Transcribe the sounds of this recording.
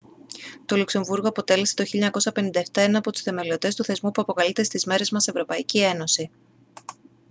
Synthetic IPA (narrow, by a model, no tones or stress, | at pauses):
t̪o̞lukse̞ɱvuɾɣo̞ɐpo̞t̪e̞le̞set̪o̞çiʎɐɲɐko̞sɐpe̞nind̪ɐeft̪ɐenɐːpo̞t̪u̥sθe̞me̞liot̪e̞st̪uθe̞zmupuɐpo̞kɐlit̪e̞st̪izme̞ɾe̞zmɐse̞vɾo̞pɐicie̞no̞si